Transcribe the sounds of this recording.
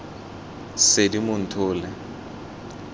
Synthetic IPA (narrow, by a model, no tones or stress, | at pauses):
sedimʊn̩tʰʊːlɛ